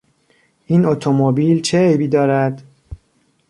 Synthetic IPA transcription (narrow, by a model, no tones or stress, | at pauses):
ʔiːnot̪ʰomobiːlt͡ʃʰeejbiːd̪ɒːɾæd̪